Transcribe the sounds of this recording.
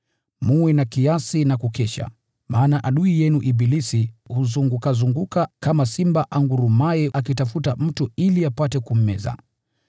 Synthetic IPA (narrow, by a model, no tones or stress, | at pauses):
muwɛnakiasinakukɛʃa̰ | mʔaːnaʔaɗuijɛnuʔiɓilisihuzuŋɡukazuŋɡukakamasimbaʔaŋɡuɾumajɛʔakitafutam̩tuiliapatɛkum̩mɛ̰za̰